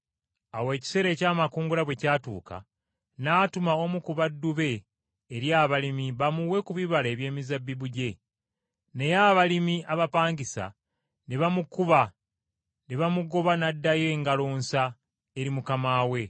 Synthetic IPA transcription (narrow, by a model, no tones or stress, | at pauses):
awe̞ci̥se̞ɾe̞ːcaːmakuːŋɡulaβwe̞caːtṵːka̰ | naːtumaomukuβadːuβe̞ː | ɾjaːβalimiβamuwe̞kuβiβale̞ːβje̞ːmizabːiβuɟe̞ | ne̞jaːβalimiaβapaːɲɟisa̰ | ne̞βamukuβa | neβamuɡo̞βanadːaje̞ŋɡaloːnsa | e̞ɾimukamaːwe̞